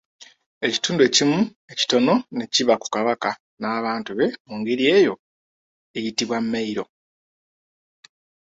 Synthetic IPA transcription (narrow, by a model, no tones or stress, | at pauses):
e̞ci̥tuːndue̞ːcimu | e̞ci̥to̞no̞ne̞ciβaku̥kaβaka | naːβaːntuβe̞muŋɡeɾie̞ːjo̞ | ejitiβwamːeiɾo̞